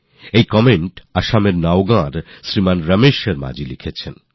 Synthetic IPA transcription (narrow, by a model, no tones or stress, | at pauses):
ejkɔmeɳʈaʃameɾnaoɡãɾʃɾimanɾəmeʃeɾma̰d͡ʑʱilikʰet͡ɕʰen